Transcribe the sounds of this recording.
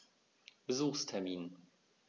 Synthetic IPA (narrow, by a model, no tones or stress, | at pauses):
b̥əzuːxstʰɛɐmiːn